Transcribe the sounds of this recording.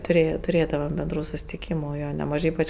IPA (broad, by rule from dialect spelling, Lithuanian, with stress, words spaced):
tʊˈrʲeːjɛ tʊˈrʲeːdɐʋɐm bʲɛnˈdruː sʊsʲɪtʲɪˈkʲiːmʊ ˈjoː nʲɛˈmɑːʒɐɪ ˈiːpɐt͡ʃ